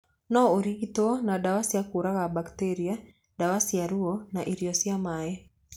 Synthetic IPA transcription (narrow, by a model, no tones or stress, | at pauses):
nɔuɾiɡitɔɔnaɗawasijakuɾakabaktɛɾia | ɗawasijaɾuɔnaʔiɾiɔsiamaɛ